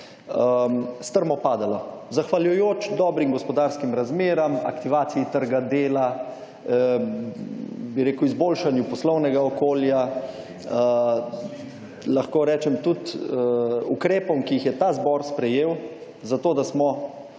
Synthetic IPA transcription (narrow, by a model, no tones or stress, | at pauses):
əst̪əɾmɔpaːd̪alazaxʋaljujoːt͡ʃd̪ɔːbɾimɡɔspɔd̪aːɾskimɾazmeːɾamɐkt̪iʋaːt̪sijit̪əɾɡad̪eːla | biɾeːkuwizboːlʃanjupɔslɔwnɛɡaɔkoːlja | ə | laxkoːɾɛːt͡ʃɛmt̪ut̪ | ukɾeːpɔmkiixjɛt̪azbɔːɾspɾɛjeːw | zat̪oːd̪asmɔ